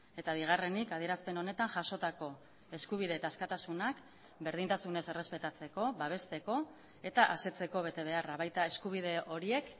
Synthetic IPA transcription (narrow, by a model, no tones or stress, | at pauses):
e̞t̪aβ̞iɣ̞are̞nikað̞ie̞ɾaspe̞no̞ne̞t̪anʝaʃo̞t̪ako̞ | e̞skuβ̞iðe̞ːt̪aːskat̪asunak | be̞ɾð̞int̪asune̞se̞re̞spe̞t̪at͡se̞ko̞βaβ̞e̞st̪e̞ko̞ | e̞t̪aʔase̞t͡se̞ko̞βe̞t̪e̞β̞e̞araβajt̪ae̞skuβ̞iðe̞ʔo̞ɾie̞k